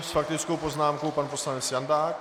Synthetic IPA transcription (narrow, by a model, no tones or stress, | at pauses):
sfak̚t̪ɪt͡skowpo̞znaːmkowpanpo̞slanɛt͡sjandaːk